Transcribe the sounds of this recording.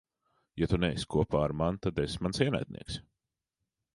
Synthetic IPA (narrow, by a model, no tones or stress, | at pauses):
jat̪unɛjsʲkʰuɔpaːɾmant̪ad̪ɛsmansiɛna̰jt̪̚ʲnʔḭɛks